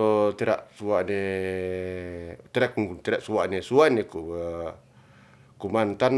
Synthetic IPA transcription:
ot̪iɾa̰ʔsuaʔne | t̪iɾak̚uŋkunt̪iɾaʔsuaʔnesuaʔneku | kumant̪an

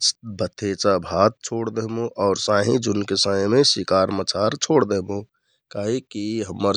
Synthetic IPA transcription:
bʱət̪ʰeːt͡ʃabʱat̪̚t͡ʃʰoːɽd̪əɦmũʔɔːɾsãːɦĩd͡ʒunkesãemesikaːɾmət͡ʃʰaɾt͡ʃʰoːɽd̪eɦmõ | kaːɦikiɦəmːəɾ

